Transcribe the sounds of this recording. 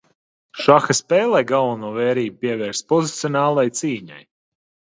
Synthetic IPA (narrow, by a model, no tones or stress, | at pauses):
ʃaxɐspɛːlˠɛjɡalˠvanuːvɛːɾiːbupiɛvɛːɾspɔzit̪sijɔnaːlˠajt̪siːɲa̰j